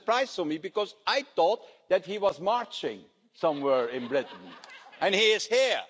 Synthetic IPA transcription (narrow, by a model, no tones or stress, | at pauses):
pɹaɪz̥fɔmibɨkɔzaɪt̪ɔt̪̚ðæt̚hiwʌzmɑɹt͡ʃɪ̰̃ŋ | sʌ̃mwɛɹɪ̃nbɹɪtn̩ɨ̃nhiɪz̥hiɹ